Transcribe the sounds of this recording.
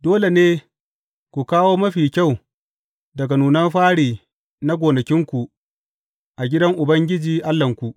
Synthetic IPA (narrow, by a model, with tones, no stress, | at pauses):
doː˦le˨neː˦ | kʷu˨kaː˦woː˦mɐ˦ɸiː˨kʲa˦˨w | dɐ˨ɡa˨nuː˨nɐ˦mɸaː˦ɽiː˨ | na˦ɡʷoː˨nɐ˨kʲɪ˦ŋkʷu˨ʔ | ʔa˨ɡʲɪ˦dɐ˦ŋʔʊ˨bɐ˦ŋɡʲɪ˦d͡ʒiː˨ʔa˦lːɐ˨ŋkʷu˨ʔ